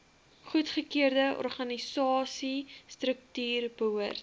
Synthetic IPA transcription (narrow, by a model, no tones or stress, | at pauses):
χutχəkiərdəʔɔ̰rχɐnisɑːsistrək̚tyːrbəɦuərt